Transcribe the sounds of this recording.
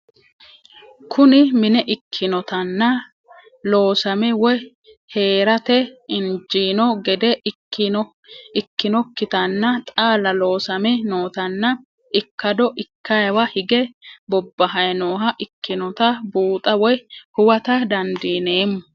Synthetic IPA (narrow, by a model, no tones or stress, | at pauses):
kʰʊnɪmɪnɛʔɪkʰːɪnɔt̪ɐnːɐ | lo̞ːsɐmɛwɔj | he̞ːɾɐt̪ɛɪnd͡ʒiːnɔɡɛd̪ɛ | ɪkːɪnɔkːɪt̪ɐnːɐt̪ʼaːlɐlo̞ːsɐmɛno̞ːt̪ɐnːɐ | ɪkːɐd̪ɔʔɪkʰːɐjɐwɐhɪɡɛbɔbːɐɦɐjnoːɦɐʔɪkːɪnɔt̪ɐbuːt̪ʼɐwɔjhʊwɐt̪ɐd̪ɐnd̪iːne̞ːmːʊ